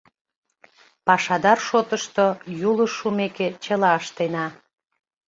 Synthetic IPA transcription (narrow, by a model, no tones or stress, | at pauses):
pɑʃɑd̪ɑrʃot̪əʃt̪ojuləʃːumeket͡ɕəlɑəʃt̪enɑ